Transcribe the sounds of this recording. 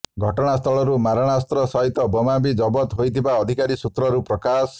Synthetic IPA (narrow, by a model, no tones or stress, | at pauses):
ɡʱɔʈɔɽ̃ast̪ʰɔɭɔɾumaɾɔɽ̃ast̪ɾɔsɔɦit̪ɔbɔmabid͡ʒɔbɔt̪ɦojt̪ʰibaɔd̪ʱikaɾisut̪ɾɔɾupɾɔkas